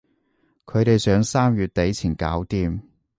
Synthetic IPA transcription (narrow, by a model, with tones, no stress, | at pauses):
kʰɵ˨˧ɥt̪e˨jsœː˨˧˥ŋsaː˥mjyː˨t̚t̪e˨˥jt͡sʰiː˨˩nkaː˨˥wt̪iː˨˧m